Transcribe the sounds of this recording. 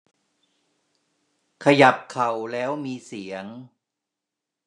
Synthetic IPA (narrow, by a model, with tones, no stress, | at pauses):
kʰa˧ja˨˩p̚kʰa˨˩wlɛː˦˥wmiː˧si˩˦əŋ